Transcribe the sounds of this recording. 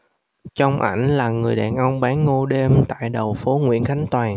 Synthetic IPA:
t͡ɕə˧wŋ͡mʔa̰˧˩jŋ̟laː˨˩ŋɨ˨˩əjɗaː˨˩nʔə˧wŋ͡mɓaː˨˦nŋo˧ɗe˧mt̪a̰ː˧˨jɗə˨˩wfo˨˦ŋwḭ˧˥ənxa˨˦jŋ̟t̪waː˨˩

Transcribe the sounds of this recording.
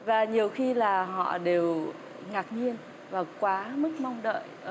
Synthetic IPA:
vaː˨˩ɲi˨˩əwxi˧laː˨˩ɦɔ̰˧˨ɗe˨˩w | ŋaː˨˩k̚ɲi˧ən | vaː˨˩kwaː˨˦mɨ˦˥k̚ma˧wŋ͡mɗə̰ː˧˨j

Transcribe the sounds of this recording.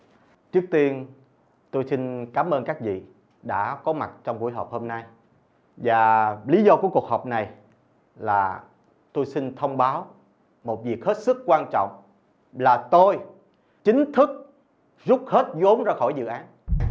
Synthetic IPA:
t͡ɕɨ˦˥ək̚t̪i˧ən | t̪o˧jsi˧nkaː˨˦mʔəː˧nkaː˦˥k̚vḭ˧˨ | ɗa̰ː˧˥kɔ˨˦ma˨˩t̚t͡ɕɔ˧wŋ͡mku˧˩jɦɔː˨˩p̚ho˧mna˧j | vaː˨˩li˨˦zɔ˧ku˧˩ku˨˩ək̚hɔː˨˩p̚na˨˩j | laː˨˩ | t̪o˧jsi˧nt̪ʰə˧wŋ͡mɓaː˨˦w | mo˨˩t̚vi˨˩ək̚he˦˥t̚sɨ˦˥kːwaː˧nt͡ɕɔ̰˧˨wŋ͡m | laː˨˩t̪o˧j | t͡ɕï˨˦ŋ̟t̪ʰɨ˦˥k̚ | zʊu˦˥k͡p̚he˦˥t̚zo˨˦mzaː˧xɔ˧˩jzɨ̰˧˨ʔaː˨˦n

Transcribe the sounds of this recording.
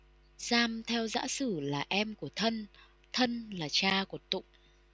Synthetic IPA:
z̥aː˧mt̪ʰɛ˧wza̰ː˧˥sɨ˧˩laː˨˩ʔɛ˧mku˧˩ət̪ʰə˧n | t̪ʰə˧nlaː˨˩t͡ɕaː˧ku˧˩ət̪ʊ̰˧˨ŋ͡m

